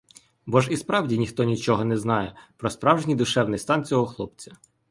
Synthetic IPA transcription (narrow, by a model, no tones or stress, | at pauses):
bɔʒispɾɑwdʲinʲixt̪ɔnʲit͡ʃɔɦɔnɛznɑjɛpɾɔspɾɑwʒenʲid̪ʊʃɛwnɪst̪ɑnt͡sʲɔɦɔxlˠɔpt͡sʲɐ̥